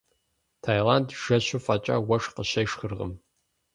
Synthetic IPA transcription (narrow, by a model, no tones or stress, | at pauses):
tʰajlantʒ̥ɐɕufʼɐt͡ʃʼa̰ːwɐʂqəɕɐjʂxɨrʁə̰m